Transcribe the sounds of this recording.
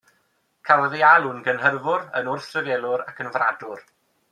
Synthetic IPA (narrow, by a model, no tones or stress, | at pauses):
kʰalˠəðialˠʊnɡənɦərvʊɾə̰nʊrθrəvɛlˠʊɾakʰənvradʊr